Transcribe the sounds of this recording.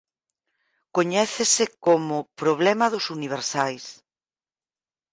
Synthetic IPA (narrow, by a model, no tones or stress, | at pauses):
koɲɛθɪsɪkomʊpɾoβ̞lɛmɐðʊsuniβ̞eɾsajs